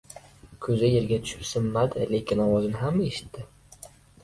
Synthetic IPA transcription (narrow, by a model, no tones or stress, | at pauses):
kʲʰɵzɪje̞ɾɡʲat̪ʰʊ̥ʃɪ̥psɪmːad̪ɪle̞kʲɪnɒwɒzɪnɪɦameʃɪ̥t̪ːɪ